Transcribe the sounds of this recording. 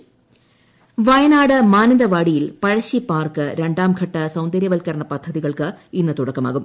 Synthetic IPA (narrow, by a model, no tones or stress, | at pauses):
ʋɐjɐnaːɽɨmaːnɐd̪ɐʋaːɽijilpɐɻɐɕipːaːrkɨɾe̞ɳɖaːmɡʰʱɐʈːɐsɐwnd̪ɐɾjɐʋɐlkɐɾɐɳɐpɐd̪ʱːɐðiɣɐɭkɨinːɐt̪uɽɐkːɐma̰ːɣum